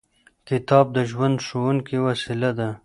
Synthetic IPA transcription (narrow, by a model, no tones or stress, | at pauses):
kɪt̪ɑb̚d̪əʒwand̪ʂowuŋkiwasilad̪a